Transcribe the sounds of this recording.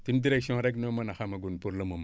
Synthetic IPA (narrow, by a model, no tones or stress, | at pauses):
timdiɾeksõɾeknomanaxamaɡunpuɾlomom